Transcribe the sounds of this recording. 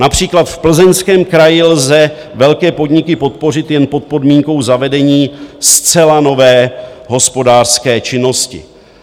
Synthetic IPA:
napr̝̥iːklat̪fpl̩zɛnskɛːmkɾajɪlzɛ | vɛlkɛːpo̞dɲɪkɪpo̞t̪̚po̞rɪt̪jɛnpo̞t̪̚po̞dmiːŋko̞wzavɛdɛɲiːst͡sɛlano̞vɛː | ɦo̞spo̞daːr̥skɛːt͡ʃɪno̞scɪ̰

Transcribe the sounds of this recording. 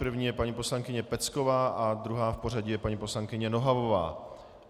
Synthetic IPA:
pr̩vɲiːjɛpaɲiːpo̞slaŋkɪɲɛpɛt͡sko̞vaːʔad̪ɾuɦaːfpo̞raɟɪjɛpaɲipo̞slaŋkɪɲɛno̞ɦavo̞va̰ː

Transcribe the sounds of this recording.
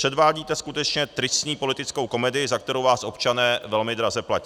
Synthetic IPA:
r̥ɛdvaːɟiːt̪ɛskut̪ɛt͡ʃɲɛt̪ɾɪsɲiːpo̞lɪt̪ɪt͡sko̞wko̞mɛdɪɪzak̚t̪ɛɾowvaːsʔo̞pt͡ʃanɛːvɛlmɪd̪ɾazɛplaci̥

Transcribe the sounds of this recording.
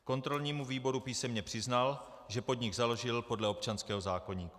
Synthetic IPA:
ko̞nt̪ɾo̞lɲiːmuviːbo̞ɾupiːsɛmɲɛpr̥ɪznal | ʒɛpo̞d̪ɲɪɡzalo̞ʒɪlpo̞dlɛo̞p̚t͡ʃanskɛːɦo̞zaːko̞ɲiːku̥

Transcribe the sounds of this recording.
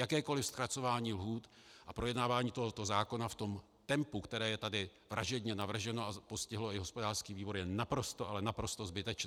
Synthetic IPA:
jakɛːko̞lɪfst̪ɾat͡so̞vaːɲiːlɦuːt̪ʔapɾo̞jɛdnaːvaːɲiːt̪oɦot̪ozaːko̞naft̪o̞m | t̪ɛmpukt̪ɛɾɛːjɛt̪adɪ | vɾʔaʒɛdɲɛnavr̩ʒɛno̞apo̞scɪɦlo̞ɪɦo̞spo̞daːrskiːviːbo̞ɾjɛnapɾo̞st̪oʔalɛnapɾo̞st̪ozbɪt̪ɛt͡ʃnː

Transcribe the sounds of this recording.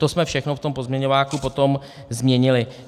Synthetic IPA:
t̪osmɛfʃɛxno̞ft̪o̞mpo̞zmɲɛɲovaːkupo̞t̪o̞m | zmɲɛɲɪlɪ

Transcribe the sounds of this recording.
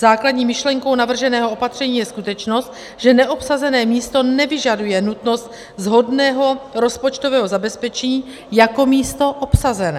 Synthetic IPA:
zaːkladɲiːmɪʃlɛŋko̞wnavr̩ʒɛnɛːɦoopat̪r̝̥ɛɲiːjɛskut̪ɛt͡ʃno̞st̪ | ʒ̥ɛnɛʔo̞psazɛnɛːmiːst̪o̞nɛvɪʒadujɛnut̪no̞st̪̚ | zɦo̞dnɛːɦo̞ɾo̞spot͡ʃt̪ovɛːɦo̞zabɛspɛt͡ʃɛɲː | jako̞miːst̪o̞ʔopsazɛnɛː

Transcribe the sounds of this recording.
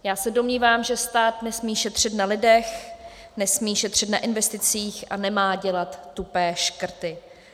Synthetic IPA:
jaːsɛdo̞mɲiːvaːmʒɛst̪aːt̪nɛsmiːʃɛt̪r̝̥ɪt̪nalɪdɛx | nɛsmiːʃɛt̪r̝̥ɪt̪naʔɪnvɛst̪ɪt͡siːxʔa̰nɛmaːɟɛlat̪ːupɛːʃkr̩t̪ɪ

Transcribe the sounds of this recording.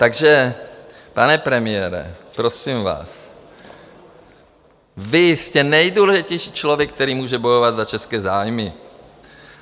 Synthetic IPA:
t̪aɡʒɛ | panɛpɾɛmɪjɛːɾɛ̰pɾosimva̰ːs | vɪscɛnɛjduːlɛʒɪcɛjʃiːt͡ʃlovjɛk̚t̪ɛɾiːmuːʒɛbo̞jovad̪zat͡ʃɛskɛːzaːjmɪ

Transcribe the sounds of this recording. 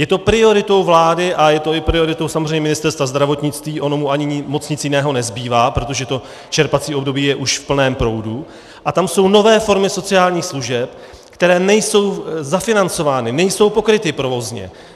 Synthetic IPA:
jɛt̪o̞pɾɪo̞ɾɪt̪o̞wvlaːdɪʔajɛt̪o̞ɪpɾɪo̞ɾɪt̪o̞wsamozr̝ɛjɲɛmɪnɪst̪ɛɾst̪vazd̪ɾavo̞t̪ɲɪt͡st̪viːʔo̞no̞muʔaɲɪmo̞t͡sɲɪt͡sjɪnɛːɦo̞nɛzbiːvaːpɾo̞t̪o̞ʒɛt̪o̞ | t͡ʃɛɾpat͡siːo̞bdo̞biːjɛʔuʃfpl̩nɛːmpɾo̞wdu | ʔat̪amso̞wno̞vɛːfo̞ɾmɪso̞t͡sɪaːlɲiːxsluʒɛp | kt̪ɛɾɛːnɛjso̞wzafɪnant͡so̞vaːnɪnɛjso̞wpo̞kɾɪt̪ɪpɾo̞vo̞zɲɛ̰

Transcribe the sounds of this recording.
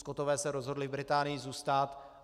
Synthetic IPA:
skot̪ovɛːsɛɾozɦo̞dlɪvbɾɪt̪aːnɪjɪzuːst̪at̪

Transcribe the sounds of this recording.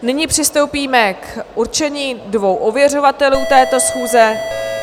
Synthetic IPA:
nɪɲipr̝̥ɪst̪o̞wpiːmɛkʔuɾt͡ʃɛɲiːdvo̞wʔovjɛro̞vat̪ɛluːt̪ɛːt̪o̞sxuːzɛ

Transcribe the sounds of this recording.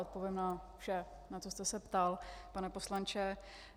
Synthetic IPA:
ʔot̪po̞vjɛmnafʃɛ | nat̪o̞st̪ɛsɛpt̪alpanɛposlant͡ʃɛ

